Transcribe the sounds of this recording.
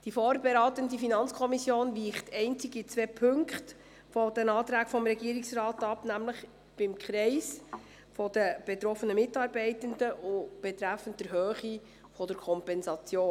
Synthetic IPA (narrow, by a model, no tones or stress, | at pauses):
d̥ifoːɾbɛɾɑːtəndifinɑnt͡skʰɔmisjoːnʋiːχtɛɪnt͡siɡit͡sʋɛːpʰɵŋkχt | fɔd̥ɛnɑːt̪ɾæːkfɔmɾɛɡiːɾɪksrɑːtɑpnæmləχ | b̥ɪmkχɾɛɪs | fɔdəb̥ɛt̪ɾɔfːənəmɪtɑːɾbɛɪtəndəʔʊb̥ɛtɾæfənt̚d̥ɛɾɦøːχi | fɔdəɾkʰɔmpɛnsɑt͡sjoː